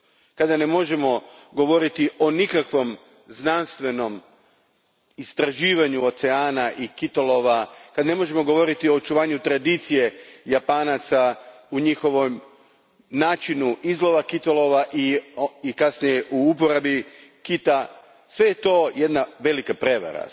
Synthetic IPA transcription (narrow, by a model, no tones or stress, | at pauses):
kad̪ane̞mo̞ʒe̞mo̞ɡo̞ʋo̞ɾit̪iʔo̞nikakʋo̞m | znanst̪ʋe̞no̞m | ist̪ɾaʒiːʋaɲuo̞t̪seaːnaʔikit̪olo̞ʋakad̪ne̞mo̞ʒe̞mo̞ɡo̞ʋo̞ɾit̪io̞ːt͡ʃuʋaːɲut̪ɾad̪it̪sije̞japanat̪sa | uɲixo̞ʋo̞m | naːt͡ʃinuʔizlˠo̞ʋakit̪olo̞ʋaʔiikasnijeʔuup̬o̞ɾabikit̪a | sʋe̞jet̪o̞je̞d̪naʋe̞likapɾe̞ʋa̰ɾa̰